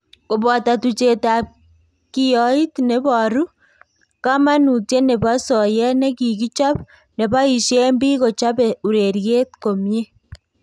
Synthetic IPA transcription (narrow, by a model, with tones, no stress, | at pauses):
ko˨βa˨ta˨tu˨t͡ʃe˨ta˨ | ki˨o˨i˦tne˨βaɾu˦ | ka˦ma˦nu˨tje˦ne˨βa˦sɔ˨jɛ˦ne˦ki˨ki˦t͡ʃa˦β | ne˨βa˦i˨ʃje˦mbi˦ɣo˨t͡ʃa˦βeu˨ɾeɾje˦tko˨mje˦